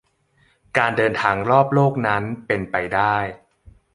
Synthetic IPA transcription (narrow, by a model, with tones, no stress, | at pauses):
kaː˧ndɤː˧nt̪ʰaː˧ŋɾɔː˥˩p̚loː˥˩k̚na˦˥npe˧npa˧jdaː˥˩j